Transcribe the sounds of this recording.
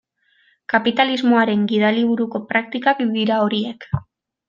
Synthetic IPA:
kapit̪alizmo̞aɾe̞ŋɡið̞aliβ̞uɾuko̞pɾak̚t̪ikakd̪iɾao̞ɾie̞k

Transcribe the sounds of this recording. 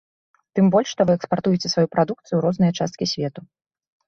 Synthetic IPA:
t̪ɨmbɔlʲʂʂt̪ɔvɨɛkspart̪ujɛt͡sʲɛsvajupɾad̪ukt̪sɨjuɾɔznɨjɐt͡ʂa̰st̪kʲisʲvʲɛt̪u

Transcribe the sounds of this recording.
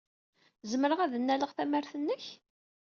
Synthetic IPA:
zəməɾəʁæðənːæləʁθæmæɾθənːəç

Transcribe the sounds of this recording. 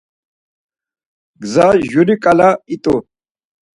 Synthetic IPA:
ɡzaʒuɾikʼalait̪ʼu

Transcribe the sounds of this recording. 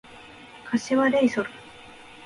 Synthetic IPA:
kʰaɕeβaɾeisoɾɯ

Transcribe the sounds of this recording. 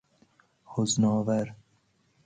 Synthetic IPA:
hoznɔːvæɾ

